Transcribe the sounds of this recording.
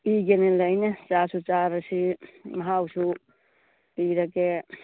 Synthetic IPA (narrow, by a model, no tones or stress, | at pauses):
iɡenelajnet͡ʃasut͡ʃaɾsimɐɦawsu | piɾake